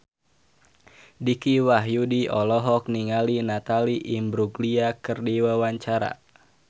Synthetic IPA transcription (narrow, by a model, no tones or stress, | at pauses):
dikiwaɦjudiʔɔlɔɦɔk̚niŋalinat̪aliʔimbɾuɡliakɨrdiwawaɲt͡ʃaɾa̰